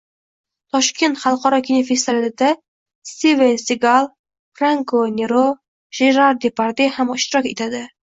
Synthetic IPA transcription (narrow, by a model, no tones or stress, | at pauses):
t̪ʰɒʃkʲe̞nt̪χɑlˠqɒɾɒkʲʰɪnofest̪ivalɪd̪a | st̪ivensiɡalˠ | fɾaŋkʰonʲeɾo | ʒ̥eɾaɾd̪epʰaɾd̪ehamɪʃt̪ɪɾɒkʲe̞t̪ʰad̪ɪ